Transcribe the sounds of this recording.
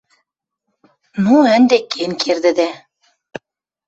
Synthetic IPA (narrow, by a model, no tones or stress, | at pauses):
nuænd̪ekːenkʰeɾd̪ɘ̆d̪æ